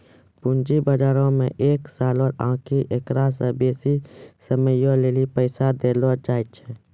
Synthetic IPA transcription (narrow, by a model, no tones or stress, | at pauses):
pʊnd͡ʒibəd͡ʒaːɾõmḛ̃ʔeːksaːlɔːɾãːkʰiʔekɾasebeːsisəməjõleːlipəɪsad̪eːlot͡ʃaːit͡ʃʰɛ